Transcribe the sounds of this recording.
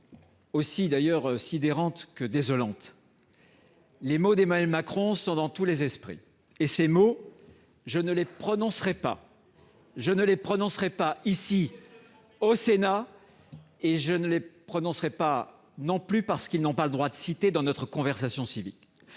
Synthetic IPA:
osid̪ajœʁsid̪eʁɑ̃t̪kəd̪ezɔlɑ̃t̪ | lemod̪emanɥɛlmakχɔ̃sɔ̃d̪ɑ̃t̪ulezɛspχḭ | esemo | ʒənəlepχɔnɔ̃sʁɛpa̰ | ʒənəlepχɔnɔ̃sʁɛpaisi | osena | eʒənəlepχɔnɔ̃sʁɛpa | nɔ̃plypaʁsə̥kilnɔ̃paləd̪ʁwad̪əsit̪ed̪ɑ̃nɔt̪χəkɔ̃vɛʁsasjɔ̃sivḭk

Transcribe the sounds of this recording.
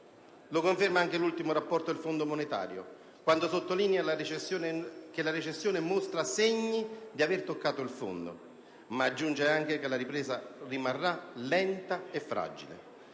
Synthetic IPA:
lokoɱfermaaŋk̟elult̪imʊɾapːɔrt̪od̪elfond̪omonet̪a̰ːɾjo̰ | kwand̪osot̪ːoliːnjalaet͡ʃesːjoːnek̟elaɾet͡ʃesːjoːnemost̪ɾaseɲːid̪iavert̪okːaːt̪oilfo̰nd̪o̰ | maːd͡ʒːund͡ʒeaŋk̟ekelaɾipɾɛːsarimarːalɛnt̪aefɾa̰d͡ʒḭlḛ

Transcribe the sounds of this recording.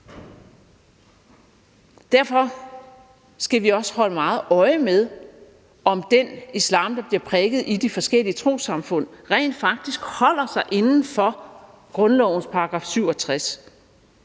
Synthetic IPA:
d̥æɐ̰fɒ̽ | sɡ̥æʋiɒ̽shɒ̽l̰əmɑ̈ːð̞̩ˠɒ̽ɪəmeð̞ˠ | ʔɒ̽md̥enislɑ̰̈ːmd̥ɑ̈b̥liɐpʰʁɛɡ̥ð̩ˠid̥ifɒ̽sɡ̥el̰iət͡sʰʁo̝̰ːsɑ̈mfɔ̽n̰ʁɛ̰ɪ̰nd̥fɑ̈ɡ̥̚d̥isɡ̥hɒ̽l̰ɐsɑ̈ɪʔe̝nn̩fɒ̽ | ɡ̥ʁɔ̽nlɒʊ̰n̩spʰɑ̈ɑɡ̥ʁɑ̰̈ːfsyʊ̰ɒ̽t͡sʰʁas

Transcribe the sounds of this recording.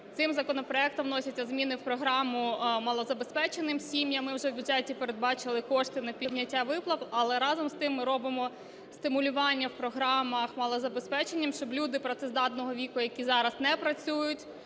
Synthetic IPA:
t̪sɪmzɐkɔnɔpɾɔɛk̚t̪ɔmnɔsʲɐtʲt͡sʲːɐzmʲinɪwpɾɔɦɾɑmʊmɐlˠɔzɐbespɛt͡ʃenɪmsʲimjɐmːɪwʒɛwbʲuʊd̪d͡ʒɛtʲipeɾed̪̚bɑt͡ʃɪlˠɪkɔʃt̪ɪnɐpʲidʲnʲɐtʲːaʋɪplˠɐʋɐlˠɛɾɑzɔmst̪ɪmːɪɾɔbɪmɔ | st̪ɪmʊlʲʊʋɑnʲːɐwpɾɔɦɾɑmɐxmɐlˠɔzɐbe̞spɛt͡ʃenʲːɐmʃt͡ʃɔblʲud̪ɪpɾɐt̪ɛzd̪ɑt̪nɔɦɔʋʲikʊjɐkʲizɑɾɐznɛpɾɐt͡sʲujʊtʲ

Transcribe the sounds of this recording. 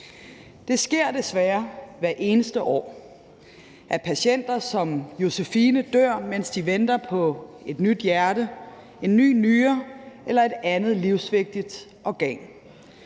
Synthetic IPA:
d̥e̝sɡ̥e̝ɐ̰d̥e̝sʋæːɐʋæɐʔe̝ːnəsd̥əʔɒ̰ː | ʔæɐpʰæɕen̰d̥ɐsɒ̽mjo̝sefiːnəd̥øɐ̰men̰sd̥iʋend̥ɐpʰɒ̽e̝d̥nyd̥jæɐɾə | e̝nːy̰ːnyːɐelɐe̝d̥ænð̞̩ˠliʊsʋe̝ɡ̥̚d̥id̥ | ʔɒɡ̥ɛ̰ŋ

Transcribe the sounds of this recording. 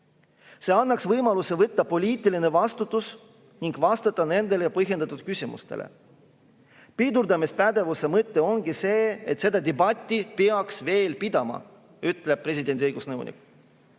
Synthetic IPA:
se̞ːɑnːɑksvɤjmɑlusevɤt̪ːɑpo̞lʲiːt̪ˑiline̞vɑst̪ut̪ːˑus | niŋɡ̥vɑst̪ɑt̪ːˑɑne̞nd̪̥e̞lejɑpɤɦjed̪̥ɑt̪ːˑud̪̥̚kysʲimṵst̪ḛlḛ | pid̪uɾd̪ɑmispæd̪e̞vuse̞mɤt̪ːe̞o̞ŋɡ̥ise̞ːet̪se̞d̪̥ɑd̪ebɑt̪ʲːˑipeɑksve̞ːlpid̪̥ɑmɑ̰ | yt̪ːleb̥̚pːre̞sʲid̪e̞nd̪iɤjɡ̥usnɤwnʔḭk

